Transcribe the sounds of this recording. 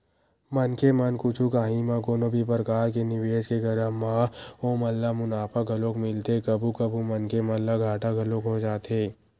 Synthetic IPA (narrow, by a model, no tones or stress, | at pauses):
mɐnkemɐnkʊt͡ʃʰukaːɦĩmãkoːnobʱip̬əɾəkaːɾkenɪʋeːd͡ʒkeɡɐɾəɦmãomɐlːamʊnaːpəɡʱɐlõkmɪlt̪ekɐbʱukɐbʱumɐnkemɐlːaɡʱaːʈaɡʱɐlõkɦod͡ʒaːt̪eː